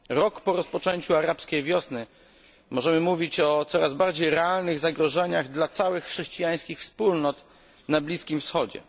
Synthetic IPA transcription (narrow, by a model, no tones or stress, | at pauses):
ɾɔkpɔɾɔspɔt͡ʂɛɲt͡ɕuaɾapskʲejvʲjɔsnɘ | mɔʐɛmɘmuvʲit͡ɕɔt̪sɔɾazbaɾd͡ʑejɾɛalnɘɣzaɡɾɔʐɛɲaɣd̪lat̪sawɘxːʂɛɕt͡ɕijaj̃skʲixfspulnɔt̪ | nablʲiskʲimfsxɔd͡ʑɛ̰